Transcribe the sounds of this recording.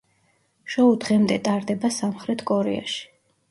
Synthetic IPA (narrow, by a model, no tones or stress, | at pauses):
ʃɔud̪ʁɛmd̪ɛt̪ʼaɾd̪ɛbasamχɾɛt̪ʰkʼɔɾɛ̰a̰ʃi̥